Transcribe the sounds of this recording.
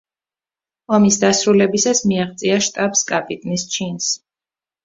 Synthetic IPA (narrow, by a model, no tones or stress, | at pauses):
ɔmisd̪asɾulɛbisasmiaχt̪sʼiaʃt̪ʼapskʼapʼit̪ʼnist͡ʃʰins